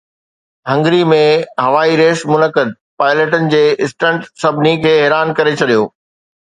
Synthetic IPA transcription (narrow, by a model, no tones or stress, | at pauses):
ɦɐ̃ŋɡɾimẽɦɐʋaːiɾeːsmʊnəkəd̪̚ | paːɪləʈənɪ̆d͡ʑeːɪsʈə̃ɳʈsɐbʱnikʰeːɦɛːɾaːnkɐɾet͡ɕʰɐɗijo̰ː